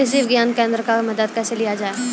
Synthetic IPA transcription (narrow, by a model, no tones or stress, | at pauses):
es̬iʋɪɡjaːnkẽːnd̪ɾəkamɐd̪əd̪̚kaselijad͡ʒaːe